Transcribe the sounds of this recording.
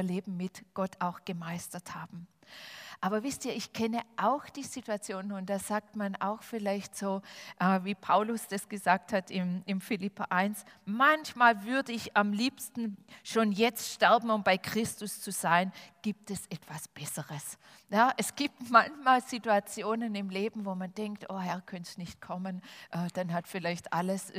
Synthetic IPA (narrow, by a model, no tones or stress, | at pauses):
ɐleːbm̩ːɪtɡ̥ɔtʰaʊxɡ̥əmaɪstɐthaːbm̩ | ʔaːbɐvɪstiːɐɪçkʰɛnəʔaʊxd̥iːzituat͡sjoːnənʊnd̥aːz̥aːk̚tmana̰ʊxfɪlaɪçtz̥oːʔɛːviːpʰaʊlʊsd̥asɡ̥əzaːk̚thatʰɪmɪmfɪlɪpɐʔaɪnsmançmaːlvʏɐdəɪçamliːpstn̩ʃoːnjɛt͡stʃtɛɐbm̩ʊmb̥aɪkʁ̥ɪstʊst͡suz̥aɪnɡ̥iːp̚tɛsʔɛtv̥asb̥ɛsəʁəs | jaːʔɛsɡ̥iːp̚tmançmaːlz̥ituat͡sjoːnənɪmleːbm̩voːmandɛŋktʔoːɦɛɐkʰœnsnɪçt̚kʰɔmənʔɛːd̥anɦatfɪlaɪçtʔaləs